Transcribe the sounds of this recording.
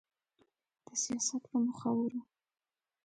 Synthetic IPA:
d̪̥əsijɑsat̪pəmʊxawaɾu

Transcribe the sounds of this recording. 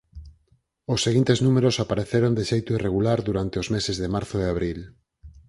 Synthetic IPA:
osːeɣint̪eznumeɾosapaɾeθeɾond̪eʃejt̪oireɣulaɾðuɾant̪eozmesezðemaɾθoeaβ̞ɾil

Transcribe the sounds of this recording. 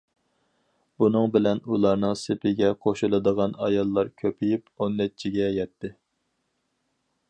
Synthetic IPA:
bunɨŋbɪlɛnulˠɑɾnɨŋsɪpʰɪɡʲɛqʰoʃulˠɨd̪əʁɑnɑjɑlˠːɑɾkʲʰøpʰijiponːɛt͡ʃʰːiɡʲɛjɛt̪ʰːɪ

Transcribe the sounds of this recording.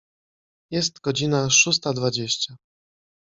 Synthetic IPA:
jɛst̪ɡ̥ɔd͡ʑinaʂus̬t̪ad̪vad͡ʑeɕt͡ɕa

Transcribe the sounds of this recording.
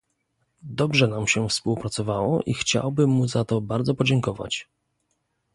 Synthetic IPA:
d̪ɔbʐɛnamɕɛfspuwpɾat̪sɔvawɔʔixt͡ɕa̰wbɘmːuzat̪ɔbaɾd̪zɔpɔd͡ʑɛŋkɔva̰t͡ɕ

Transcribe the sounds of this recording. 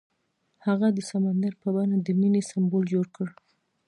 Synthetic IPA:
haɣad̪əsamand̪aɾpəbanad̪əminesambold͡ʒoɽkəɽ

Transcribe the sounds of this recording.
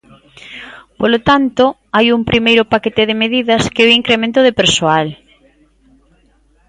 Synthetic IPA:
polot̪ant̪o | ajumpɾʔimejɾʊpaket̪ɪðɪmeðiðɐskeoiŋkɾemẽnt̪ʊðepeɾsoal

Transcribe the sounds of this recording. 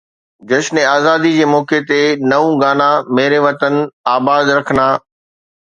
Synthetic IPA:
d͡ʑɐʃnẽaːzaːd̪id͡ʑeːmɔːket̪enɐʋũɡaːnãmeːɾeʋɐt̪ənaːbaːd̪ɾɐkʰənaː

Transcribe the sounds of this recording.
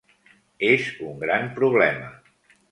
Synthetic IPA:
ezuŋɡɾampɾuβlɛmə

